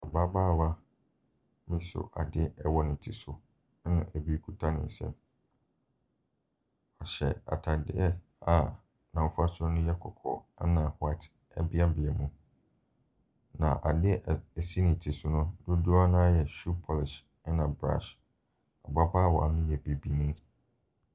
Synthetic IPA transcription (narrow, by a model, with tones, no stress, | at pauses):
a˨ba˦baː˦˨wa˦ | mɪ̃˦sʊ̰˨ʔa̰˨dɪ˦ɛ˦wɔ˦nɪ̃˨n̩˨tʰi˨sʊ˨˦ | nã˦˨ʔæ˨bi˦kʰu˦tʰa˦nɪ̰̃˨n̩˨sɛ̰̃˦m | ɔ˨ɕɛ̰˨a̰˨tʰa˨dɪ˦ɛ˦ | a˨ | nã˨m˦fa˦sɔ˦nʊ̃˦jɛ˦kʰɔ˨kʰɔ̰˨a˦nã˨hʊ˨a˦tʰ | ɛ̰˦bɪ˦a˦bɪ˨ɛ˨mũ˦ | nã̰˨ʔa˨dɪ˦˨ɛ˨si˦nɪ̃˨n˨tʰi˨sʊ˨nʊ̃˦dʊ̃˦du˦a˦nã˦jɛ˨ʃu˦pʰɔ˨lɪ˨ʃ | ɛ˦nã˨bɾã̰˦˨ʃ | a˨ba˦ba˦˨wɔ̰˨a̰˨nɪ̃˦jɛ˨be˨bi˨nĩ˦